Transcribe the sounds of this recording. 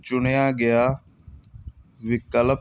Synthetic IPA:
t͡ʃʊɳjaːɡɪjaː | ʋɪkəl

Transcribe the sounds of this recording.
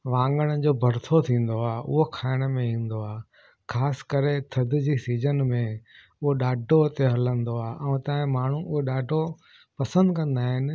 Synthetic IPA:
ʋãːŋɡəɽ̃əd͡ʑoːbʱɐɾt̪ʰot̪ʰĩːn̆d̪oaːʔʊ̰ɦokʰaːɪɽ̃əmẽĩːn̆d̪oaː | kʰaːsɪ̥kɐɾet̪ʰɐd̪ɪd͡ʑiːsiːd͡ʑənmẽ | ʊɦoɗaːɖʱot̪eɦɐlə̃nd̪oaːʔɛ̃t̪ɐ̃ːɪ̃maːɳ̤ũʊɦeɗaːɖʱo | pɐsə̃nd̪kɐ̃nd̪aːɦɪnɪ̆

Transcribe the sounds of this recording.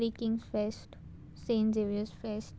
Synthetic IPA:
ɾikɪ̃ŋsfesʈ | sẽːnzeʋiəsfesʈ

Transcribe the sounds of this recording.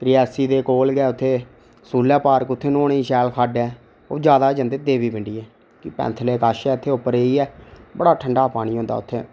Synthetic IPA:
t̪ɾɪɛːsiːd̪eːkoːlɡɛːʊt̪ʰːeː | suːlɛːpaːɾəkʊt̪ʰːeːnoːɽiːʃɛːlkʰaːɖɛː | oːd͡ʒjaːd̪aːd͡ʒənd̪eːd̪eːbiːbɪɳɖiːɛː | kɪpɛ̰̃ːnt̪ʰleːkaːʃɛːʊt̪ʰːeːʊpːəɾeːiːɛːbəɽaːʈʰəɳɖaːpaːɽ̃iːɦõːnd̪a̰ːʊt̪ʰːḛː

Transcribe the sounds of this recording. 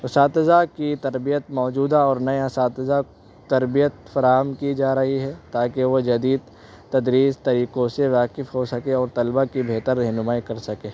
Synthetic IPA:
ʊsaːt̪ɪzakit̪ɐɾbijət̪̚mɔːd͡ʒuːd̪aɔːɾnɐjasaːt̪ɪza | t̪ɐɾbijət̪fɐɾaːɦəmkid͡ʒaːɾɐɦiɦɛt̪aːkeʋod͡ʒɐd̪iːd̪ | t̪ɐd̪ɾiːzt̪ɐɾiːqõseʋaːqɪfɦosɐkeɔːɾt̪ɐlbakibʱeːt̪əɾːɛɦnʊmaːikɐɾsɐkeː

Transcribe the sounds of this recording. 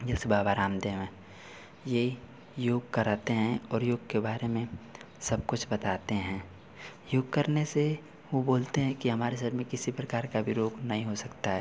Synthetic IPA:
d͡ʒɐlsebʱaːbaːɾaːmd̪eːmẽ | jei | joːɡkɐɾaːt̪eɦɛ̃ɔːɾjoːɡkebaːɾemẽ | sɐb̚kʊt͡ʃʰbɐt̪aːt̪eɦɛ̃ː | joːɡkɐɾnese | ʋoboːlt̪eɦɛ̃kiɦɐmaːɾes̬ɐɾmẽkɪsipɾɐkaːɾkabʱiɾoːɡnɐɦĩɦosɐkt̪aɦɛː

